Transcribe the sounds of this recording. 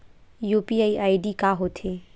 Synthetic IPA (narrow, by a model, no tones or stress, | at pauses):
juːpiaːiʔaːiɖikaːɦot̪ʰeː